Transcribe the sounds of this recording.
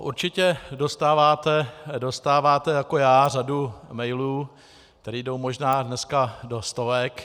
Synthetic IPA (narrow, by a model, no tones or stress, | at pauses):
ʔuɾt͡ʃɪcɛdo̞st̪aːvaːt̪ɛdo̞st̪aːvaːt̪ɛjako̞jaːr̝adumɛjluː | k̚t̪ɛɾiːdo̞wmo̞ʒnaːdnɛskado̞st̪o̞vɛk